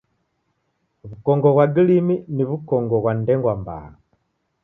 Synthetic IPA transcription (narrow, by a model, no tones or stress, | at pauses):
βukɔŋɡɔɣwaɡiliminiβukɔŋɡɔɣwandɛŋɡwamba̰